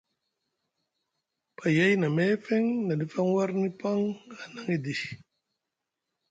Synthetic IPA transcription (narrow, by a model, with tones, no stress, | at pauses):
pa˨ja˦jna˨me˦fe˦ŋna˨ni˦fa˦ŋwa˦ɾni˦pa˦ŋa˨na˨ŋi˦di˨